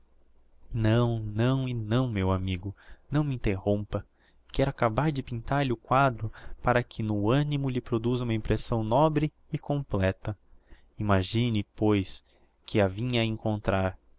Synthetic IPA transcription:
nɐ̃w̃nɐ̃w̃ɪnɐ̃w̃mewamiɡʊnɐ̃w̃mĩnt̪ehõmpɐ | kɛɾʊakabaɾd͡ʒɪpĩnt̪aɾʎɪʊkwad̪ɾʊpaɾɐkʰɪnʊɐ̃nimʊʎɪpɾod̪uzũmɐĩmpɾesɐ̃w̃nɔbɾɪːkõmplɛt̪ɐ | imaʒĩnɪpojs | kɪavĩɲɐɐẽŋkõnt̪ɾaɾ

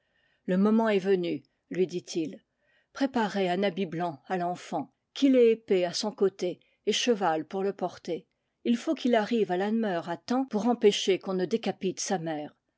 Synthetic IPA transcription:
ləmɔmɑ̃ɛvəny | lɥid̪it̪ʰil | pχepaʁeɛ̃nabiblɑ̃alɑ̃fɑ̃ | kʲʰilɛepeasɔ̃kot̪eː | ʃəvalpuʁləpɔʁt̪e | ilfokʰilaʁivalamœʁat̪ɑ̃puʁɑ̃peʃekɔ̃nəd̪ekapit̪samɛːʁ

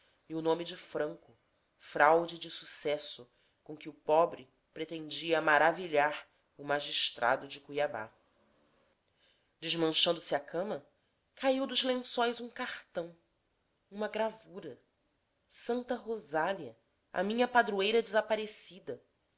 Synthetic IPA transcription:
iʊnõmid͡ʒɪfɾɐ̃ŋkʊ | fɾawd͡ʒid͡ʒɪsu̥sɛsʊ | kõkɪʊpɔbɾɪ | pɾet̪ẽnd͡ʒiɐmaɾaviʎaɾ | ʊmaʒiʃt̪ɾʔa̰d̪ʊd͡ʒɪkujaba̰ | d͡ʒɪʒmɐ̃ʃɐ̃nd̪ʊsɪakʰɐ̃mɐ | kaiwd̪ʊʒlẽsõjzũkaχt̪ɐ̃w̃ | ũmɐɡɾavuɾɐ | sɐ̃nt̪ɐɦozaliɐ | a̰mĩɲɐpad̪ɾuejɾɐd͡ʒɪzapaɾesid̪ɐ

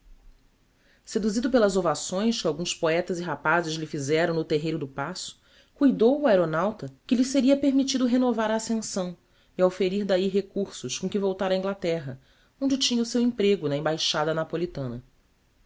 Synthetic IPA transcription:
sed̪uzid̪ʊpelɐzovasõj̃skɪawɡũspoɛt̪ɐziɦapazɪzlɪfizɛɾɐ̃w̃nʊt̪eɦejɾʊd̪ʊpasʊ̥ | kujd̪owuaeɾonawt̪ɐkɪlɪseɾiɐpeɾmit͡ʃid̪ʊɦenovaɾaːsẽsɐ̃w̃ | iawfeɾiɾd̪aiɦekuɾsʊʃkõkɪvowt̪aɾɐĩŋɡlat̪ɛɦɐ | õd͡ʒɪt͡ʃĩɲɐʊsewĩpɾeɡʊnɐẽbajʃad̪ɐnapolit̪ɐ̃nɐ

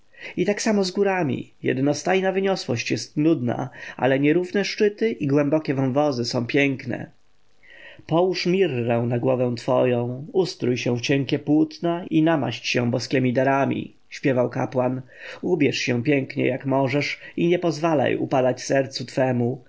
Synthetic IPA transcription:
it̪aksamɔzɡuɾamʲḭjɛ̰d̪nɔst̪ajnavɘɲɔswɔɕt͡ɕjɛst̪nud̪na̰a̰lɛɲɛɾuvnɛʂt͡ʂɘt̪ɘʔiɡwɛmbɔkʲɛvanvɔzɘsɔ̃w̃pʲjɛŋknɛ̰ | pɔwuʂmʲirːɛ̃w̃naɡwɔvɛ̃w̃t̪fɔ̰jɔ̃w̃ust̪ɾujɕɛ̃ft͡ɕɛŋkʲɛpwut̪nainama̰ɕt͡ɕɕɛ̰̃w̃bɔskʲɛmʲid̪aɾamʲḭ | ɕpʲjɛvawka̰pwanubʲjɛʂɕɛ̃w̃pʲjɛŋkɲɛ̰jakmɔʐɛʂiɲɛpɔzvala̰jṵpad̪at͡ɕsɛɾt̪sut̪fɛmu

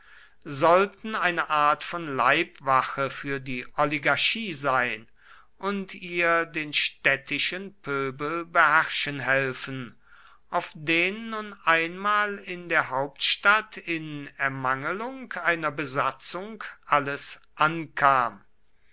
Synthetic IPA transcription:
zɔltn̩aɪnəʔaːɐtfɔnlaɪpv̥axəfyːɐdiːʔɔliɡaɐʃiːzaɪn | ʔʊntʰiːɐdeːnʃtɛtʰɪʃənpʰøːbəlbəhæʁʃənɦɛlfən̩ | ʔaʊfd̥eːnːʊnʔaɪnmaːlɪndeːɐɦaʊp̚tʃtatʰɪnɛɐmaŋəlʊŋkaɪnɐbəzat͡sʊŋkʔaləsʔankʰaːm

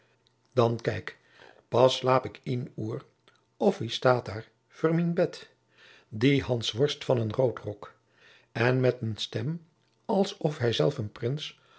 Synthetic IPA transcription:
d̥ɑnkɛjk | pɑslaːpɪkinuːr | ɔfʋistaːtdaːɹ | v̥ʊːɹminbɛt | diɦɑnsʋɔɹstfɑnənrowtrɔk | ɛnmɛtənstɛm | ɑlˠsɔfɦɛjzɛlˠfənprɪns

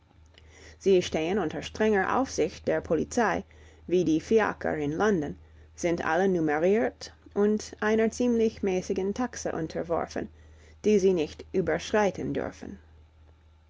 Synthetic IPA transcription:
z̥iːʃteːənʊntɐʃtʁ̥ɛŋəʔa̰ʊfz̥ɪçt̚d̥eːɐpʰolḭt͡saɪ | viːdiːfia̰kʰɐ̰ɹɪnlɔndən | z̥ɪntʔa̰lənuməʁiːɐtʔʊntʔaɪnɐt͡siːmlɪçmɛːsɪɡən̩tʰaksə̰ʔʊntʰəvɔ̰ɹfə̰̃n | d̥iːziːnɪçtʔyːbɐ˞ʃʁ̥aɪtʰən̩dʏ̰ɹfən̩

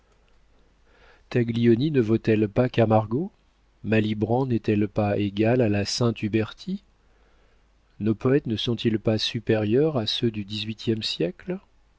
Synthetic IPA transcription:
t̪aɡliɔninəvot̪ɛlpakamaʁɡo | malibʁɑ̃nɛt̪ɛlpaeɡalalasɛ̃t̪ybɛʁt̪ʰi | nopɔɛt̪nəsɔ̃t̪ilpasypeʁjœʁasød̪yd̪izɥit̪jɛmsjɛkl

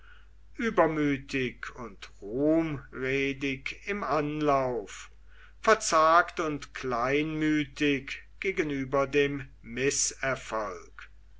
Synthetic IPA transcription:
ʔyːbɐmyːtʰɪkʰʊntʁuːmʁeːdɪkɪmanlaʊf | fɛɐt͡saːktʊntklaɪnmyːtɪkɡ̥eːɡənyːbɐdeːmː | ɪsɛɐfɔlk

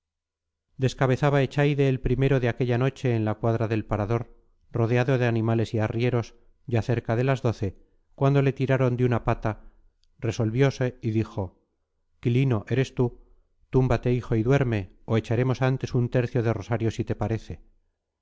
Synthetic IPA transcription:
d̪e̞skaβe̞θaβae̞t͡ʃajðe̞ːlpɾime̞ɾo̞ðeake̞ʎano̞t͡ʃe̞ːnlakwaðɾaðe̞lpaɾaðo̞ɾ | ro̞ð̞eaðo̞ðe̞anĩmale̞siarje̞ɾo̞s | ɟ͡ʝaθe̞ɾkaðe̞lazðo̞θe̞ | kwand̪o̞le̞t̪iɾaɾo̞nd̪unapat̪a | re̞so̞lβjo̞se̞iðixo̞ | kilino̞ʔe̞ɾe̞st̪u | t̪umbat̪e̞ixo̞iðwe̞ɾme̞oe̞t͡ʃaɾe̞mo̞sant̪e̞sunt̪e̞ɾθjo̞ðe̞ro̞saɾjo̞sit̪e̞paɾe̞θe

